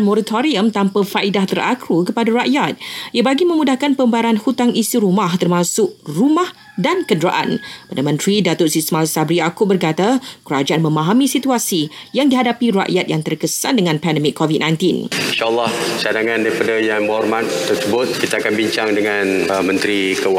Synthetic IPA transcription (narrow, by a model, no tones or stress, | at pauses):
mɔɾat̪ʰoɾiəmt̪ampafaʔidaht̪ərakɾukəpadaɾaʔjat̪̚iəbaɡimə̃mũdahkanpəmbaɾanhut̪aŋisiɾumãht̪ərmãsʊʔrumah | dankədɾaʔa̰npadamə̃nt̪ɾidat̪ʊsismalsabɾiakʊʔbərkat̪akəɾad͡ʒaʔanmə̃mãɦamĩsit̪uasijaŋdiɦadapiɾa̰ʔjat̪̚jaŋt̪ərkəsa̰ndəŋãnpɛndəmikʰːɔvit̚nãj̃nt̪ininʃalːɑht͡ʃadaŋãndaipadajaŋmɔrmat̪t̪ərsəbʊt̪̚kit̪aakanbiɲt͡ʃaŋdəŋanmə̃nt̪ɾikəw